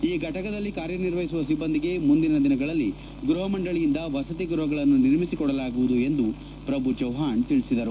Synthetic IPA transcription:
iːɡɐʈɐkɐd̪ɐlːikaːɾjɐniɾʋɐɦisuʋɐsibːɐnd̪iɡe̞mund̪inɐd̪inɐɡɐɭɐlːi | ɡɾuɦɐmɐɳɖɐɭijind̪ɐʋɐsɐt̪̬iɡɾuɦɐɡɐɭɐnːuniɾmisikɔɽɐlaːɡuʋud̪ue̞nd̪u | pɾɐbʱut͡ʃɐwɦaːnt̪iɭisid̪ɐɾu

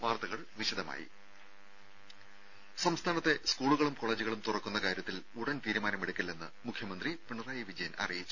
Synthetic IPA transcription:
ʋaːrt̪ɐɣɐɭʋiɕɐd̪ɐma̰ːjḭ | sɐmst̪ʰaːnɐt̪ːe̞skuːɭuɣɐɭumko̞ɭːeːd͡ʑuɣɐɭumt̪urɐkːunːɐkaːɾjɐt̪ːil | uɽɐnt̪iːɾumaːnɐmeɽukʲːilːenːɨ̰mukʰjɐmɐnd̪ripiɳɐraːjiʋid͡ʑɐjɐnɐ̰rijit͡ɕːu

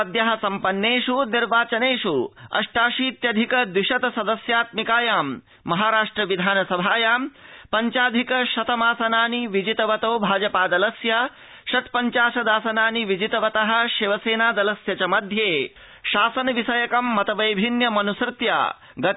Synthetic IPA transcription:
ɐd̪jɐɦɐsɐmpɐnːeːʂuniɾʋaːt͡ʃɐneːʃuɐ̰ʂʈaːʃiːt̪jɐd̪ʱikɐd̪iʃɐt̪ɐsɐd̪ɐsjaːt̪mikaːjaːmː | ɐɦaːɾaːʂʈɾɐʋid̪ʱaːnɐsɐbʱaːjaːmpɐɲt͡ʃaːd̪ʱikɐʃɐt̪ɐmaːsɐnaːniʋid͡ʒit̪ɐʋɐt̪oːbʱaːd͡ʒɐpaːd̪ɐlɐsjɐ | ʃɐt̪pɐɲt͡ʃaːʂɐd̪aːsɐnaːniʋid͡ʒit̪ɐʋɐt̪ɐɦɐ̆ʃiʋɐseːnaːd̪ɐlɐsjɐt͡ʃɐmɐd̪ʱjeː | ʃaːsɐnɐʋisɐjɐkɐmːɐt̪ɐʋɐjbʱinjɐmɐnusɾɪt̪ja̰ː | ɡɐ

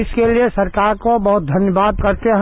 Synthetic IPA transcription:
ɪskeliesɐɾkaːɾkobɔɦʊt̪̚d̪ʱɐnjəbaːd̪̚kɐɾt̪eɦ

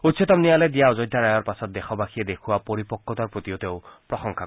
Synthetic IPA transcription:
ut̪sʰit̪ɔmnijaled̪iaɔd͡ʒɔjd̪ʱːaɾajɔɾpasɔt̪̚d̪exʰɔbakʰied̪ekʰuapɔɾipɔkːɔt̪ɔɾpɾot̪ijot̪ew̃pɾɔxɔŋkʰa

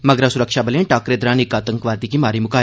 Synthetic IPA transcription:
mɐɡɾasʊɾəkʃabɐlẽʈaːkɾeːd̪ɾaːnɪkaːt̪ə̃ŋkʋaːd̪ikimaːɾimʊkaː

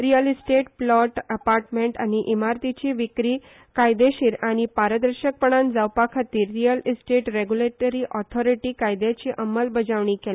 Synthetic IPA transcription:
ɾijəlsʈeʈplɔʈəpaɾʈmeɳʈa̰ñiʔimaɾt̪it͡ɕiʋikɾiː | kajd̪eɕiːɾaɽ̃ipaɾəd̪əɾɕək̚pəɳ̃and͡zawpakʰat̪iːɾːijəlisʈeʈɾeɡjuleʈəɾiʔɔt̪ʰɔɾiʈiːkajd̪jat͡ɕiʔəməlbəd͡ʑaʋɳ̃ĩkel

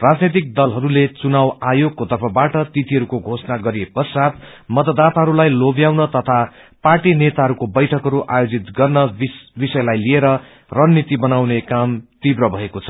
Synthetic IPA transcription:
rad͡znet̪̬ik̚d̪ʌlɦʌɾulet͡sunawajoɡ̚kot̪ʌrpʰʌbaʈʌt̪it̪ʰiɦʌɾukoɡʱosnaɡʌɾiepʌsat̪̚ | mʌt̪ʌd̪at̪aɦʌɾulajlobjawnʌt̪ʌt̪ʰa | parʈinet̪aɦʌɾukobʌjʈʰʌkɦʌɾuʔajod͡zit̪ɡʌrnʌbisʌjlajlieɾʌ | rʌnːit̪ibʌnawnekamt̪ibrʌbʱʌekot͡sʰʌ̥

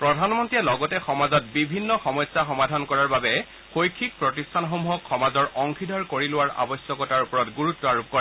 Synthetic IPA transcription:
pɹɔdʱanmɔntiɛlɔɡɔtɛxɔmazɔt̚bibʱinːɔxɔmɔjsːaxɔmadʱɔnkɔɹaɹbabɛ | xojkʰːik̚pɹɔtistʰanɔɦɔmɦɔkxɔmazɔɹʔɔŋkʰidʱɔɹkoɹilʊwaɹa̰bɔsjɔkɔtaɹupɔɹɔtɡuɹutːɔaɹup̚kɔɹa

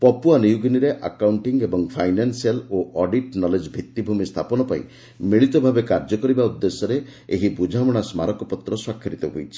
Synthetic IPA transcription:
pɔpuanijuɡiniɾeʔa̰kawɳʈiŋɡebɔŋpʰajnansialoʔɔɖiʈnɔled͡ʒbʱit̪ːibʱumist̪ʰapɔnɔpaḭ̃ | miɭit̪ɔbʱabekaɾd͡ʒɔkɔɾibaud̪ːesɔɾeeɦibud͡ʒʱamɔɽ̃asmaɾɔkɔpɔt̪ɾɔswakʰːiɾit̪ɔɦojt͡ʃʰi̥

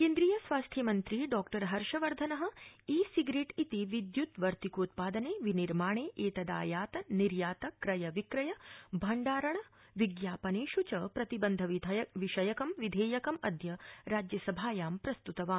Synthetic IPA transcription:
keːnd̪ɾijɐsʋaːst̪ʰjɐmɐnt̪ɾiɖɔːkʈɐɾɦɐɾʂɐʋɐɾd̪ʱɐnɐɦɐ̆iːsiɡɾeːʈit̪iʋid̪jut̪ʋɐɾt̪ikoːt̪̚paːd̪ɐneːʋiniɾmaːɳeːʔeːt̪ɐd̪a̰ːjaːt̪ɐniɾjaːt̪ɐkɾɐjɐʋikɾɐjɐbʱɐɳɖaːɾɐɳ̃ɐ | ʋiɡjaːpɐneːʃut͡ʃɐpɾɐt̪ibɐnd̪ʱɐʋid̪ʋiʃɐjɐkɐmʋid̪ʱeːjɐkɐmɐd̪ʱjɐɾaːd͡ʒjɐsɐbʱaːjaːmpɾɐst̪ut̪ɐʋaːm

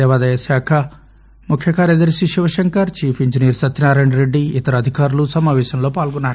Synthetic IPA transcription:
ɐʋaːd̪ɐjɐsaːkʰɐ | mukʰjɐkʰaːɾjɐd̪ɐɾiʃiʃiʋɐʃɐŋkɐɾt͡ʃiːfʰiɲd͡ʒinijɐɾsɐt̪ːinaːɾɐːɳɖɾeɖːiit̪ɐɾɐːd̪ʱikaːɾulusɐmaːʋɛːʃɐmlo̞ːpaːlɡɔnːaːɾu

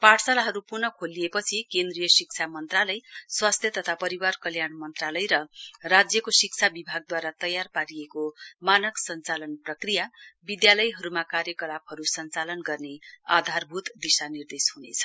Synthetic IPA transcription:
paʈʰsalaɦʌɾupurnʌkʰolijepʌt͡sʰikend̪rijʌsik̚t͡sʰamʌnt̪ralʌjswast̪ʰjʌt̪ʌt̪ʰapʌɾiwarkʌljanmʌnt̪ralʌjɾʌrad͡zjʌkosik̚t͡sʰabibʱaɡ̚d̪waɾat̪ʌjarpaɾijekomanʌksʌnt͡salʌnprʌkrijabid̪jalʌjɦʌɾumakaɾjʌkʌlapɦʌɾusʌnt͡salʌnɡʌrnead̪ʱarbʱut̪d̪isanird̪eshunḛt͡sʰʌ̥

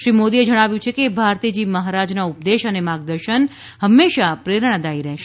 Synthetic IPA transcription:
ʃɾimod̪ied͡ʒəɽ̃aʋjũt͡ʃʰekebʱaɾt̪id͡ʒiməɦaɾad͡ʒnaupd̪eʃənemaɡ̚d̪əɾʃən | həmːeʃapɾeɾɳ̃ad̪aiɾɛɦʃe̥

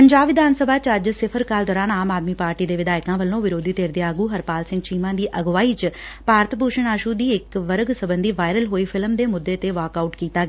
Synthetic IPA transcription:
pəɲd͡ʒaːbʋɪd̪aːnsəbʱaːt͡ʃəd͡ʒsɪpʰəɾkaːld̪ɔːɾaːnaːmaːd̪miːpaːɾʈiːd̪eːʋɪd̪aːɪkãːʋəlːõːʋɪɾoːd̪iːt̪eːɾd̪eːaːɡuːɦəɾpaːlsɪ̃ŋɡt͡ʃiːmãːd̪iːʔəɡʋaːiːt͡ʃpaːɾət̪bʱuːʃəɳaːʃuːd̪iːɪkʋəɾəɡsəbənd̪iːʋaːɪɾəlɦoːiːpʰɪlmd̪eːmʊd̪ːeːt̪eːʋaːkaːuʈkiːt̪aːɡ

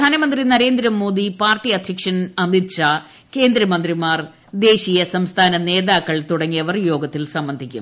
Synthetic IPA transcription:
aːnɐmɐnd̪rinɐɾe̞ːnd̪ɾɐmːo̞ːd̪ipaːrʈːiɐd̪ʱjɐkʂɐnɐmiɕa | ke̞ːnd̪ɾɐmɐnd̪rimaːr | d̪e̞ːɕiːjɐsɐmst̪ʰaːnɐne̞ːðaːkːɐɭt̪uɽɐŋːijɐʋɐrjo̞ːɡɐt̪ːilsɐmbɐnd̪ʱikʲːṵm

